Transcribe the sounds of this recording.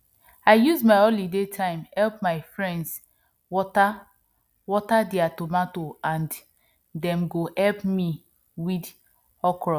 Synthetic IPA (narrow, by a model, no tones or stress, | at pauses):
aɪjuzmaɪolidetʰãɪ̃mhɛlp̚maɪfɹɛ̃nds | wɔta | wɔtadiatomatoãnd | dɛ̃mɡohɛlpmi | wid | ɔkɹɔ